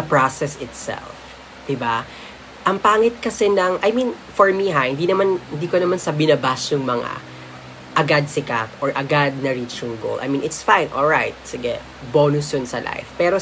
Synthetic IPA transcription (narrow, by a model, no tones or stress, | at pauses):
ɐpɹasɛsɪt̪sɛ̰lf | d̪̥ɪba | ʔɐŋpaːŋɪt̪̚kɐsɛnɐŋʔɐjmĩn | fɔɹmiɦahɪnd̪inɐmanhɪnd̪iːkonɐmansɐbɪnɐbasjʊŋmɐŋa̰ | ʔɐɡad̪̚sɪkat̪ʔɔɹʔɐɡad̪̚nɐɹit͡ʃjʊŋɡo̰lʔɐ̰jmĩnɪt̪sfãjnʔɔlɹajt̪̚sɪɡɛ̰ | bonʊsjʊnsɐ̰lʔa̰jfpɛɾo